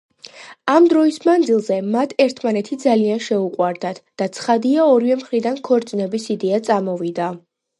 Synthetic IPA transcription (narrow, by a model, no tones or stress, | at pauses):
amd̪ɾɔismand̪zilˠzɛmat̪ʰɛɾt̪ʰmanɛt̪ʰid̪zalianʃɛuqʼwaɾd̪at̪ʰd̪̥at̪sʰχad̪iaɔɾivɛmχɾid̪ankʰɔɾt̪sʼnɛbisid̪ɛat̪sʼamɔvid̪a